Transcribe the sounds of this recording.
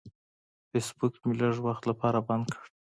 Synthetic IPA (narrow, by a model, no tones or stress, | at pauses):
fesbukmilaʒwaxt̪lapʰɑɾaband̪̚kʰə̥ɽ